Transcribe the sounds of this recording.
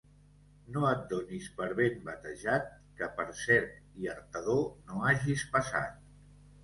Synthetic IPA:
noət̪̚d̪onispəɾβembət̪əʒat̪̚ | kəpəɾsɛɾt̪iəɾt̪əðonoaʒispəsa̰t̪̚

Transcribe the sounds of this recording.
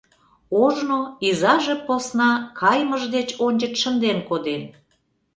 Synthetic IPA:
oʒnoizɑʒeposnɑkʰɑjməʒd̪et͡ɕonʲd͡ʑət̪ʃənd̪enkod̪e

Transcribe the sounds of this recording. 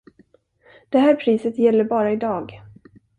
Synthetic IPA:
d̪̥ɛɦæːɾpʰɾiːsət̪jɛlːəɾbɑːɾaɪd̪ɑːɡ

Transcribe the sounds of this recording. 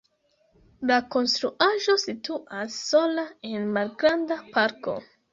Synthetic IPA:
lako̞nstɾuʔaʒo̞situʔasːo̞lae̞nmalɡɾandapaɾko̞̰

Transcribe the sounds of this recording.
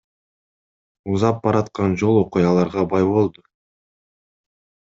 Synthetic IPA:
uzɑp̚bɑɾɑt̪qɑnd͡ʒo̞lˠo̞qujɑlˠɑɾʁɑbɑjβo̞lˠd̪ʊ

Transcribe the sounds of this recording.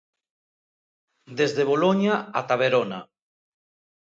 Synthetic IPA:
d̪ezðeβ̞oloɲaat̪aβeɾona

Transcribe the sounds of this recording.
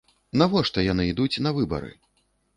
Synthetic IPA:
navɔʂt̪ɐjanɨid̪ut͡sʲnɐvɨbɐ̰ɾɨ̰

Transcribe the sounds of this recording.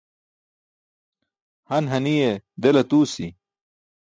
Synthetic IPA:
hɐnɦɐnijed̪elɐt̪uːsi

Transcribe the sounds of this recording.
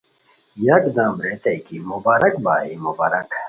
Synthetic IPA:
jɐkd̪ãːmɾeːt̪ɐjkimubaːɾɐkbaːimubaːɾɐk

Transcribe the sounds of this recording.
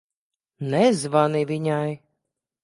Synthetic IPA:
nɛzvanivʲiɲaj

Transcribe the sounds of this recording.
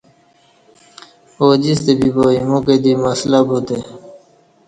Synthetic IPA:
oːd͡ʑist̪ebiboːimũːked̪iməslabuːt̪e

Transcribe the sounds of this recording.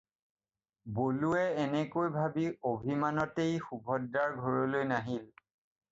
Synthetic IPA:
boluɛɛnɛkojbʱabiobʱimanɔtejxubʱɔdːaɹɡʱɔɹɔlojnaɦil

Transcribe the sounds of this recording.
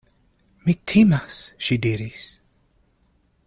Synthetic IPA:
mitʰimasʃidiɾis

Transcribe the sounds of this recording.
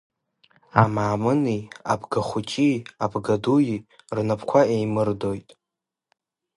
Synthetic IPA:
amaːmɨnia̰bɡaχʷʊt͡ʃʼiabɡaduji | rnapʰkʷʰaejmɨrdojtʼ

